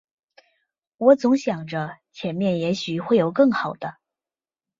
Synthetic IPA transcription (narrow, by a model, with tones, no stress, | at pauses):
wɔ˧˥t͡sʊ˧˥ŋɕjɑ˨˩ŋʈ͡ʂə˦t͡ɕʰjɛ˧˥nmjɛ˥˩njɛ˧˥ɕy˨˩xwe˥˩ɪjo˨˩ʊkɤ˥˩ŋxɑ˨˩ʊd̪̥ə˦